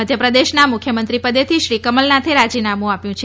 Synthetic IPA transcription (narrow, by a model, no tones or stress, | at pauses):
əd̪ʱjəpɾəd̪eʃnamukʰjəmənt̪ɾipəd̪et̪ʰiʃɾikəməlnat̪ʰeɾad͡ʒinamũapjũt͡ʃʰ